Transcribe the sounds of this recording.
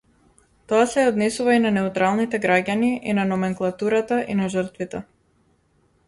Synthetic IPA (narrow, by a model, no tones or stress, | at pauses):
t̪ɔasɛɔd̪nɛsuvainanɛut̪ɾalˠnit̪ɛɡɾaɟaniʔinanɔmɛŋklˠat̪uɾat̪aʔinaʒərt̪vit̪ɛ